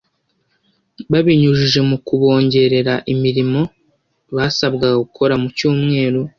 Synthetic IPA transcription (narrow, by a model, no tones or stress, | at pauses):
βaβiɲuʒiʒe̞mukuβo̞ːɲɟe̞ɾe̞ɾaʔimiɾimo̞ | βaːsabɡaɡaɡukʰo̞ɾamucuːmŋe̞ːɾu